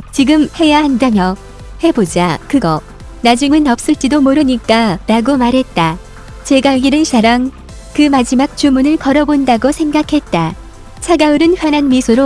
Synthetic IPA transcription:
t͡ɕiɡɯmhe̞jahandamjʌ | he̞bod͡ʑakɯɡʌ | nad͡ʑuŋɯnʌp̚s͈ɯɭt͡ɕ͈idomoɾɯɲik͈aɾaɡomaɾɦe̞t̚t͈a | t͡ɕe̞ɡaɡiɾɯnt͡ɕaɾaŋ | kɯmad͡ʑimak̚t͡ɕ͈umunɯɭkʌɾʌbondaɡosʰe̞ŋɡakʰe̞t̚t͈a | t͡ɕʰaɡaɯɾɯnɸjananmisʰoɾo

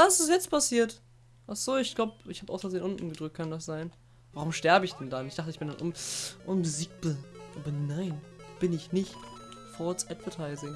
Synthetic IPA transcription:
vasɪsjɛt͡spʰasiːɐt | ʔaχz̥oːɪçɡ̥laʊbɪçhaːbʔa̰ʊsfəzeːnʔʊnʔn̩ɡəd̥ʁʏk̚t̚kʰandas̬z̥aɪn | vaʁʊmʃtɛɐbəɪçd̥ɛndanɪçd̥aχtəɪçb̥ɪndanʔʊ̰mʔʊmbəziːk̚b̥əʔaːbɐnaɪnb̥ɪnɪçnɪçt | fɔt͡sʔɛdvətʰaɪzɪŋ

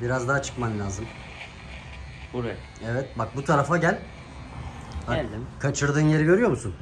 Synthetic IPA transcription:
biɾazd̪aɦat͡ʃʰɯ̥kmanlʲaːzɯm | buɾ | ɛvɛt̪bak̚but̪ʰaɾafaɟælʲ | akʰat͡ʃʰɯɾd̪ɯːnje̞ɾiɟøɾyjo̞musun

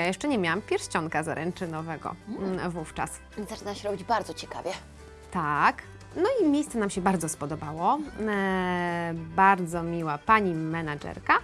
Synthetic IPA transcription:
jajɛʂt͡ʂɛɲɛmʲjawampʲjɛɾɕt͡ɕɔŋkazaɾʔɛnt͡ʂɘnɔvɛɡɔ̰vuft͡ʂa̰s | zat͡ʂɘnaɕɛɾɔbʲid͡ʑbaɾd̪zɔt͡ɕɛka̰vʲjɛ | t̪ak | nɔimʲejst̪sɛnamɕɛbaɾd̪zɔspɔd̪ɔbawɔ | baɾd̪zɔmʲiwapaɲimɛnad͡ʐɛ̰ɾka

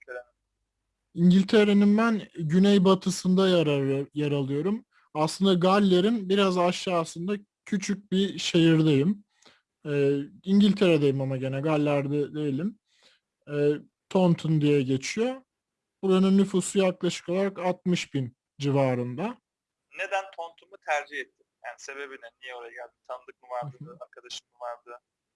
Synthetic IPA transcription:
iɲɟilʲt̪ʰe̞ɾeninbænɟynejbat̪ʰɯsɯnd̪ajaɾalˠɯjo̞ɾum | aslˠɯnd̪aɡalʲːeɾinbiɾazaʃjaːssɯnd̪a | cʰyt͡ʃʰyc̚biʃejiɾd̪ejim | ɛːiɲɟilʲt̪ʰe̞ɾed̪ejimamaɟe̞nɛɡalʲːæɾd̪ɛd̪ejilʲim | ɛː | t̪ʰont̪ʰund̪ijɛɟe̞t͡ʃʰijo̞ | buɾanunːyfusujaklˠaʃɯ̥kʰo̞lˠaɾakat̪̚mɯʃbin | d͡ʒivaːɾɯnd̪a | ne̞d̪ænt̪ʰont̪ʰumut̪ʰæɾd͡ʒihɛt̪ʰːimjaːnise̞be̞binɛnijɛolˠajaɟælʲd̪imt̪ʰanɯd̪ɯk̚mɯvaɾd̪ɯɯaɾkʰad̪aʃɯ̥mmɯvaɾd̪ɯ

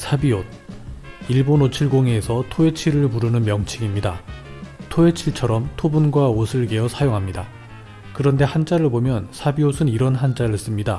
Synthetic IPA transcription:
sʰabiot̚ | iɭbonot͡ɕʰiɭɡoŋeːsʰʌtʰoe̞t͡ɕʰiɾɯɭpuɾɯnɯnmjʌŋt͡ɕʰiɡimɲida | tʰoet͡ɕʰiɭt͡ɕʰʌɾʌmtʰobunɡwaosʰɯɭɡe̞jʌsʰajoŋɦamɲida | kɯɾʌnde̞hand͡ʑaɾɯɭbomjʌnsʰabiosʰɯniɾʌnɦand͡ʑ͈aɾɯɭs͈ɯmɲida

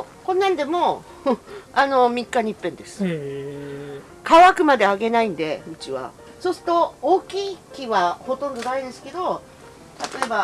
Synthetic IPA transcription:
kõ̞nːãnd̪e̞mo̞ | ano̞mʲikːaɲ̟ipːẽ̞nd̪e̞sɨ̥ | kaβakɯ̟mad̪e̞aɡe̞naĩnd̪e̞ɯ̟t͡ɕiβa̰ | so̞sɨ̥t̪o̞oːkʲiːkʲiβaho̞t̪õ̞nd̪o̞d̪aĩnd̪esɨ̥ke̞d̪o̞ | t̪at̪o̞e̞ba

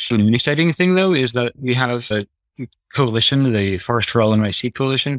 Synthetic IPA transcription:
nɨksaɪɾɪ̃ŋθɪ̃ŋðoʊɪzðət̚wiəɾəɨ | kʰoʊəlɪʃɨ̃nðɨfɔɹɨstɹoʊlˠə̃naɪsikʰoʊəlɪʃɨ̃n

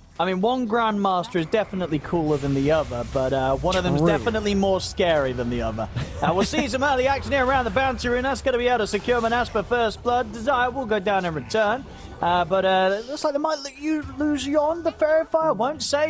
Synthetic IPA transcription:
aɪmĩnwʌ̃nɡɹæ̃nmɑˑstə˞ɨzdɛfənətˡlikʰulˠə˞ðɨ̃nðiʌðə˞b̥ʌɾʌwʌ̃nʌvðə̃zdɛfənətˡlimɔɹskɛɹiðɨ̃nðiʌ̰ðə̰˞ʌwɪlˠsis̬ʌ̃məðiæk̚ʃɨ̃nhɪɹəɹãʊ̃nðəbãʊ̃nsiɹʉ̃nðætsɡ̥ʌnɨbiaʊɾəsɨkʰj̥ɔɹmə̃ñæspəfɜ˞sb̥lʌdɪzaɪə˞wilˠɡoʊdãʊ̃nɨ̃nɹɨtʰɜ̃˞n | ʔʌbʌɾʌðætslaɪk̚ðəɪmaɪtɨlʉzjɔnðəfɛɹɨfaɪəwõʊ̃ntseɪ

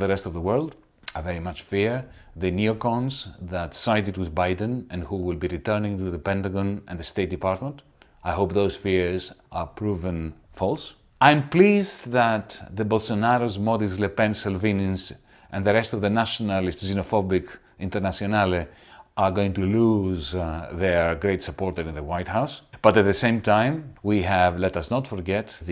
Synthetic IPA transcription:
ðəɹɛstɔvðəwɜ˞lˠd | avɛɹimat͡ʃfiɹ | ðɨniokɔ̃nzðətsaɪtɨd̚wɪðbajdə̃nɛ̃nhuwɪlˠbiɹitɜ˞nɪ̃ŋtuðəpɛ̃ntaɡɔ̃nɛ̰̃nðəst̪eɪt̚dipaɹtmə̃nt | ajɦoʊp̚ðoʊz̥fiɹzapʰɹuvə̃nfɔlˠs | ãj̃mplizðət̪ðəbolsonaɾozmɔdislepɛ̃nsɪlvĩnə̃ns | ʔɛ̃nðəɾɛstɔvðənaʃonalistzinofɔbik | ĩntəɾnasionali | ʔaɹɡoĩŋtuluzðəɡɾeɪtsəpɔɹtəɾĩnðəwajthawsb̥ʌtæt̪̚ðəsẽɪ̃mtãɪ̃mwiɦævlɛtɐsnɔtfɔɹɡɛt̪ð

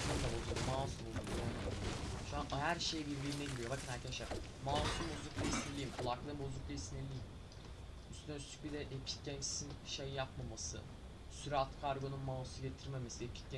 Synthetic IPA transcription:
od̪abozuk̪maːsumulujanʃuanɦæɾʃejbiɾbiɾinɛɟilʲijo̞vakʰinhæɾcʰɛnʃe | maːsumbozuklʲaisniɾlʲiːimkʰulˠaklˠɯbozuk̚lʲaisnilʲijim | yst̪ʰynøst̪ʰy̥c̚bid̪ɛʔepʰi̥cɟɛnt͡ʃsinʃejinjapmamasɯ̰ | syɾat̪kʰaɾɡo̞nunmaːsuɟe̞t̪ʰiɾme̞mesiepʰi̥cɟɛ

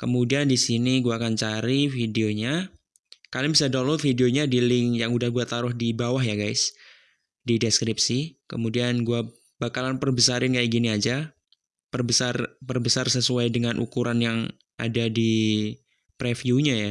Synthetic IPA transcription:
kəmudiandisiniɡuaːkant͡ʃaɾifideoɲa | kalibisadolɔfidioɲadilɪŋjaŋudahɡuat̪aɾʊhdibawahjaɡajs | dideskɾip̚sikə̰mudianɡua | b̥akalanpərbəsaɾɪnkajaɡiniad͡ʒa | pərbəsarbərbəsarsəsuajdəŋanʔṵkuɾanjaŋ | ʔa̰dadi | pɾɛfjuɲaja

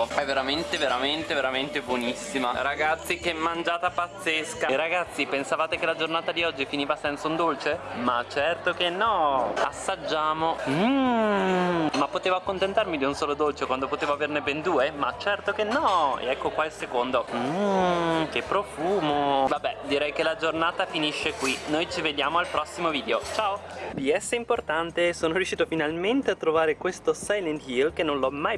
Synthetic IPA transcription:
ɛvːeɾament̪eveɾament̪eveɾament̪ebwonisːimaɾaɡat̪sːikeɛmːand͡ʒaːt̪apat̪sːeskaɾaɡat̪sːipensavaːt̪ekelad͡ʒornaːt̪ad̪iɔd͡ʒːifiniːvasɛnt̪saund̪olt͡ʃemat͡ʃːɛrt̪okenːɔa̰sːad͡ʒːaːmo | mapːot̪eːvoakːont̪ent̪armid̪iunsoːlod̪olt͡ʃekwand̪opot̪eːvoavernebend̪uːemat͡ʃːɛrt̪okenːɔḛɛkːokwailsekond̪o | kepːɾofuːmovabːɛd̪iɾɛjkelad͡ʒornaːt̪afiniʃːekwinojt͡ʃived̪jaːmoalpɾɔsːimoviːd̪eot͡ʃaːopiɛsːeimport̪ant̪esoːnoɾjuʃːiːt̪ofinalment̪eat̪ːɾovaːɾekwest̪osajlent̪jilk̟enːõnlɔmːaj

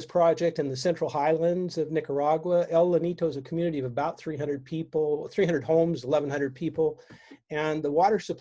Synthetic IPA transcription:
z̥pʰɹ̥ɑd͡ʒɛk̚tɨ̃nðɨsɛ̃nt͡ʃɹ̥l̩ˠhaɪlˠɨ̃ndzʌvnɪkə˞ɑɡwəɛlˠləniɾoʊzɨkʰm̩jʉñɨɾiʌvəbaʊt̪̚θɹiɦʌ̃ndɹəd̚pʰipl̩ˠθɹihʌ̃ndə˞d̚hõʊ̃mzəlɛṽn̩hʌ̃ndɹəd̚pʰipl̩ˠɨ̃nðəwɔɾə˞sɨpʰ

